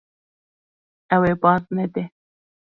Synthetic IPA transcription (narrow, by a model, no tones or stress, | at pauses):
awebɑznad̪e